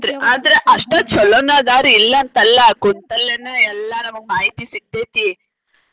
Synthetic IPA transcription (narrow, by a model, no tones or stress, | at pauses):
d̪ɾeaːd̪ɐɾeʔɐʂʈɐt͡ʃɔlɔnaːd̪aːɾiːlːɐːnt̪ɐlːɐkont̪ɐlːenɐɛlːɐnɐmːɐmaːɦit̪isiɡ̚t̪eːt̪i